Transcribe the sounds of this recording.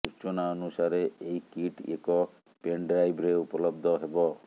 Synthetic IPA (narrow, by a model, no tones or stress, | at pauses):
ut͡ʃonaɔnusaɾeːjkiʈḛkɔ | peɳɖɾajbɾeupɔlɔbd̪ʱɔɦebɔ